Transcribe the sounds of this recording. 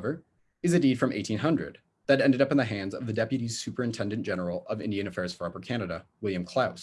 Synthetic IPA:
və˞ | ɨzɨdid̥fɹʌ̃mʔḛɪtʰĩnɦʌ̃ndɹɨ̰d̪̚ | ðɨɾɛ̃ndɨɾʌpn̩ðɨɦæ̃ndzʌvðɨdɛpjɨɾiz̥sʉpə˞ɨ̃ntʰɛ̃ndɨ̃nd̥ʒ̥ɛnə˞l̩ˠʌvɪ̰̃ndiɨ̃nɨfɛɹz̥fɑpə˞kʰænɨɾəwɪlˠjɨ̃mkʰl̥aʊs

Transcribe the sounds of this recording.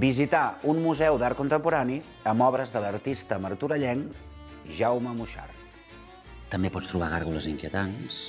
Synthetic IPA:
bizit̪aunmuzɛwd̪aɾ̚kunt̪əmpuɾani | əmɔβɾəzðələrt̪ist̪əməɾt̪uɾəʎɛŋ | ʒawməmuʃa̰rt̪ | t̪əmbepɔt͡st̪ɾuβaɣaɾɣuləziŋkiət̪ans

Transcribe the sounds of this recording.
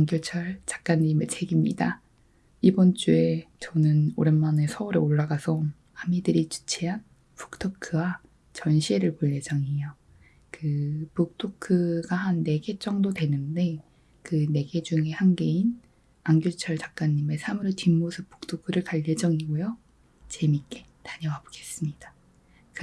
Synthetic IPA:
aŋɡjot͡ɕʰʌɭt͡ɕḁk̚k͈aɲːime̞t͡ɕʰeɡimɲḭda | ibʌnt͡ɕ͈ue̞t͡ɕʌnɯno̰ɾenmanesʰʌuɾeoɭːaɡasʰʌ | amidɯɾit͡ɕu̥t͡ɕʰiɦan | pu̥k̚tʰɯkʰɯwa | t͡ɕʌnɕʰieɾɯɭpoʎːed͡ʑʌŋiejo | kɯpok̚tʰokʰɯɡahanːe̞ɡe̞t͡ɕ͈ʌŋdodwe̞nɯnde̞ | kɯne̞ɡe̞d͡ʑuŋe̞hanɡe̞in | aŋɡjot͡ɕʰʌɭt͡ɕak̚k͈aɲːime̞sʰamuɾɯtimːosʰɯp̚p͈ːo̥k̚tʰokʰɯɾɯɭkaʎːed͡ʑʌŋiɡojo | t͡ɕe̞mik͈e̞taɲʌŋaboɡ̥e̞s͈ɯmɲid̥a | k

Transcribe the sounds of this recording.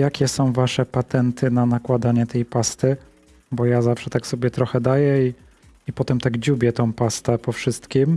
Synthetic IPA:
jakʲɛsɔ̃w̃vaʂɛpat̪ɛnt̪ɘnanakwad̪aɲɛt̪ɛjpast̪ɘ | bɔjazafʂɛt̪aksɔbʲjɛt̪ɾɔxɛd̪ajɛi | ipɔt̪ɛmt̪aɡd͡ʑubʲjɛt̪ɔ̃w̃past̪ɛpɔfʂɘst̪kʲim

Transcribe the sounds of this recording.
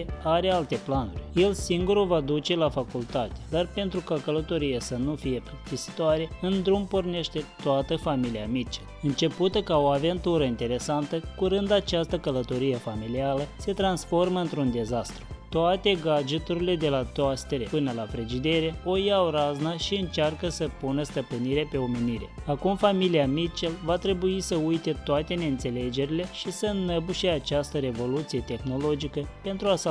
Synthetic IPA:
eaɾe̞alt̪e̞planurʲje̞lsiŋɡuɾuvad̪ut͡ʃe̞lafakult̪at̪e̥d̪arpe̞nt̪ɾukakələt̪o̞ɾijesənufije̞pɾist̪isi̥t̪oaɾe̞ɨnd̪ɾumporne̞ʃt̪e̞t̪oat̪əfamiliamit͡ʃi̥ | ɨnt͡ʃe̞put̪əkao̞ave̞nt̪uɾəint̪e̞ɾe̞sant̪əkuɾɨnd̪at͡ʃast̪əkələt̪o̞ɾije̞familialəse̞t̪ɾansfo̞rməɨnt̪ɾund̪e̞zast̪ɾut̪oat̪e̞ɡad͡ʒut̪uɾile̞d̪e̞lat̪ast̪eɾepɨnəlapɾe̞d͡ʒid̪e̞ɾe̞ojaoɾaznaʃiɨnt͡ʃarkəsəpunəst̪əpɨniɾe̞pe̞o̞meniɾe̞akumfamiliamit͡ʃelvat̪ɾe̞buisəujt̪e̞t̪oat̪e̞neɨnt̪se̞le̞d͡ʒe̞ɾile̞ʃisənəbuʃe̞at͡ʃast̪əɾe̞vo̞lut̪sije̞t̪e̞xno̞lo̞d͡ʒikəpe̞nt̪ɾua

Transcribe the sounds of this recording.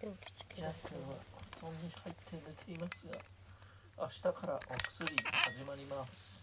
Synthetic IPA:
d͡ʑaːkʲʰo̞ːβa̰hot̪ʰõnd̪ihait̪ʰːe̞net̪ʰe̞imasɨɡa̰ | aɕi̥t̪akaɾa̰ʔokɯ̥sɨɾʲihaʑimaɾʲimasɨ̥ɨ̥

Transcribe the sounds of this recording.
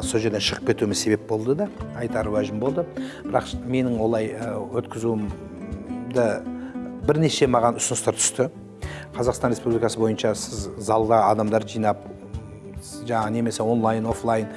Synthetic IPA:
soʒe̞ɾd̪enʃəʁəpkʲʰe̞t̪umɪzse̞be̞p̚bo̞lˠd̪əd̪ɑɑjt̪ɑɾwæʒɪmbo̞lˠd̪əbɪɾɑqme̞nɪŋwo̞lˠɑjəwɵt̪kʲɪzuɪm | d̪ə | bɪɾne̞ʃe̞mɑʁɑnʊsənəst̪ɑɾt̪ʰʏ̥st̪ɪ | qʰɑzɑqst̪ɑnɾe̞spublijkɑsəbo̞jənʃɑsɪzːɑlˠd̪ɑɑd̪ɑmd̪ɑɾʒijnɑp̚ | ʒɑɑʁne̞me̞sewo̞nlˠajno̞flˠajn

